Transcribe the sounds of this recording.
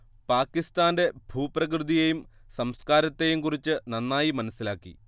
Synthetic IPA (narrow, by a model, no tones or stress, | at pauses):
paːkːist̪aːnde̞bʱuːprɐk̬rɨðijejumsɐmskaːɾɐt̪ːe̞jumkurit͡ɕːɨnɐnːaːjimɐnɐsːilaːkːḭ